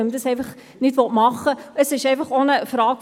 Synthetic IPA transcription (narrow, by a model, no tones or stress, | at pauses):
əmtəsɛj̃fəχ | nitvɔtmɑχəəsəsɛjfəχɔnəfrɑːk